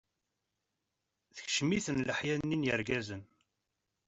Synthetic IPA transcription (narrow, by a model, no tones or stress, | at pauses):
θə̥çʃmiθənləħjænːinjəɾɡæzən